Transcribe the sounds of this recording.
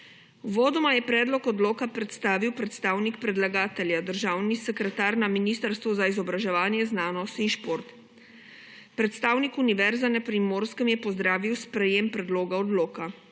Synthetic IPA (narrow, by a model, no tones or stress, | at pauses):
uʋoːd̪ɔmajɛpɾɛːd̪lɔkɔd̪loːkapɾɛt̪st̪aːʋiwpɾɛt̪st̪aːwnikpɾɛd̪laɡaːt̪ɛljad̪əɾʒaːwnisɛkɾɛt̪aːɾnaminiːst̪əɾst̪ʋuzaizɔbɾaʒɛʋaːnjɛznaːnɔst̪inʃpoːɾt̪ | pɾɛt̪st̪aːwnikuniʋɛɾzanɛpɾimoːɾskəmjɛpɔzd̪ɾaːʋiwspɾɛjempɾɛd̪loːɡaɔd̪loːka